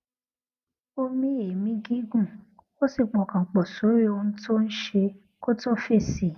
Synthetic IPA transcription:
o˧mĩ˦e˨mĩ˦ɡĩ˦ɡũ˦˨ | o˦si˦˨k͡pɔ˨˧˨kã˨k͡pɔ˨so˨˦ɾi˦o˧ñ̩˦to˦n̩˦ʃe˧ | ko˦to˦˨fe˦˨si˨

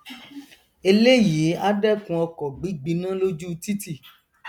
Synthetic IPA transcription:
e˧le˦ji˨˦a˦dɛ˦˨kũ˧˦ɔ˧kɔ˨ɡ͡bi˨˦ɡ͡bi˧˦nã˦lo˦d͡ʒu˦˧ti˦ti˦˨

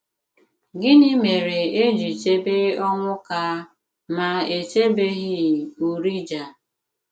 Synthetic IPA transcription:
ɡɪ˦ɲɪ˦me˨ɾe˨e˦d͡ʒi˨t͡ʃe˦be˦ɔ˦ŋʷʊ˦ka˦ | ma˨e˨t͡ʃe˦be˦ɣɪ˦˨u˨ɾi˦d͡ʒa˨

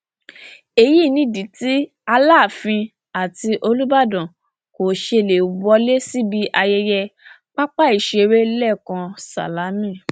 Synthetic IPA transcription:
e˧ji˦˨nĩ˧˦dĩ˨˦ti˦ | a˧laː˦˨fĩ˧ | a˨ti˧ʔo˧lu˦ba˦˨dɔ̃˨ | ko˨ʃe˧˨le˨u˨bɔ˧˦le˦si˦bi˦ʔa˧jɛ˧jɛ˧ | k͡pa˦k͡pa˦i˨ʃe˧ɾe˦lɛ˦˨kã˧sa̰˨la˨˦mĩ˦˨

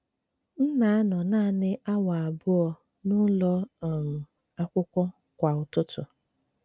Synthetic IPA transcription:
n̩˦na˨a˦nɔ˨naː˦nɪ˦ʔa˦wa˨a˨bʊ˦ɔ˨ | nʊ˦lɔ˦˨m̩˨ | a˦kʷʊ˦kʷɔ˦ | kʷa˨ʊ˨tʊ˦tʰʊ˨

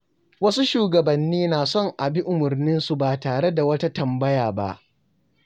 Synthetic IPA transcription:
wɐ˦su˦ʃuː˨ɡɐ˨bɐ˨nːiː˦naː˨sɔ˦˨ŋʔa˨bi˦ʔʊ˨mʊ˨rnɪ˦nsu˨baː˨taː˨ɽe˦da˨wɐ˦ta˦tɐ˨mbɐ˦jaː˨ba̰˦ʔ

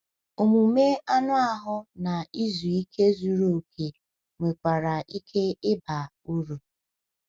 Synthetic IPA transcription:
o˨mu˨me˦a˦nʊ˦a˦ɦʊ˦na˨i˦zu˨i˦kʰe˦zu˨ɾo˨kʰe˨ | ŋʷe˨kʷa˨ɾa˨ʔi˦kʰe˦ɪ˦ba˨ | u˦ɾu˨

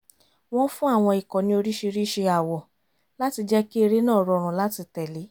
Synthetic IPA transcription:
w̃ɔ̃˦fũ˦a˦˨w̃ɔ̃˧i˨kɔ˨nĩ˦o˧ɾi˦ʃe˧ɾi˦ʃe˧a˨wɔ˨ | la˦ti˧d͡ʒɛ˦ki˦e˧ɾe˦nãː˦˨ɾɔ˨˧˨ɾ̃ũ˨˦la˦ti˧tɛ˨li˨˦

